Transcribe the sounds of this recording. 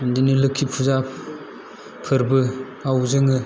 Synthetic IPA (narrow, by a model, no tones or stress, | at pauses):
ndinilɯkʰːipʰuza | pʰɯɾbɯ | awzɯŋɯ